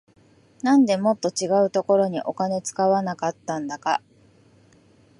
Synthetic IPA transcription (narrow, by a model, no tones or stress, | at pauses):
nãnd̪e̞mo̞t̪ːo̞t͡ɕiɡaɯ̟t̪o̞ko̞ɾo̞ɲ̟iʔo̞kane̞t͡sɨ̥kaβanakat̪ːãnd̪aka̰